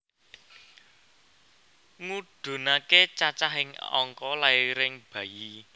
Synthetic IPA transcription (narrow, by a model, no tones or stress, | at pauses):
ŋuɖ̥ṳnaket͡ʃat͡ʃaɦɪŋɔ̰ŋkɔlaiɾɪŋb̥ä̤ji